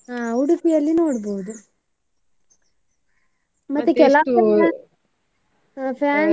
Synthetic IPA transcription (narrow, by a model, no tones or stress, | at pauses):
ɦaːuɽukijɐlːinoːɽboːd̪u | mɐt̪ːukɛlaːɐɐ | pʰaːn